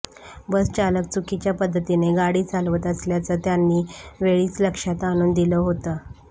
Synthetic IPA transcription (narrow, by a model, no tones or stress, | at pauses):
bəst͡ɕalək̚t͡sukit͡ɕjapəd̪ʱːət̪ineɡaɽiːt͡salʋət̪əsljat͡səːt̪janːiːʋeɭiːt͡sləkʂat̪añuːnd̪iləɦot̪əː